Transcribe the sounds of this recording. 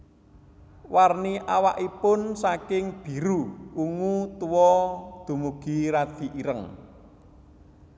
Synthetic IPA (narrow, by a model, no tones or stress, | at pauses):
warniʔawaʔipʊnsakɪŋb̥i̤ɾuuŋut̪uwɔd̪̥ṳmuɡ̥i̤ɾad̪̥i̤ʔiɾəŋ